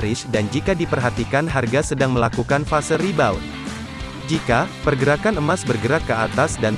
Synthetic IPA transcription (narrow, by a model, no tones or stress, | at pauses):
ɾɪsdand͡ʒikadipərɦat̪ikanɦarɡasədaŋməlakukanfasəɾibaw̰t̪̚ | d͡ʒikapərɡəɾakanəmasbərɡəɾakːəa̰t̪asdan